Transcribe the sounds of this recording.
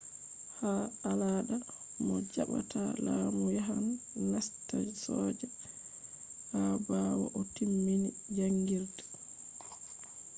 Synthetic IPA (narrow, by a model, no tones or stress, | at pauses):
haalaːɗa | mɔd͡ʒaɓa̰tʰalaːmujaɦan | nastasɔːd͡ʒɛ | habawɔ̰ʔɔtimːini | d͡ʒaŋɡiɾdɛ